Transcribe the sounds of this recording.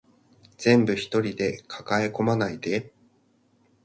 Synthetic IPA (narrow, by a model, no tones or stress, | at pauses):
z̥ẽ̞mbɯ̟çi̥t̪o̞ɾʲid̪e̞kʰḁkae̞ko̞manaid̪e̞